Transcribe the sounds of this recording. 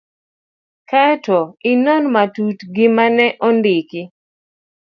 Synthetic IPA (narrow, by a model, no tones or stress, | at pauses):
katɔinɔnmatutɡɪmanɛʔɔndɪkɪ